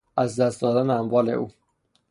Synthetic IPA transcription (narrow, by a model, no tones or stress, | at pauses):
æzd̪æst̪̚d̪ɒːd̪æneæmvɒːle̞̰ʔuː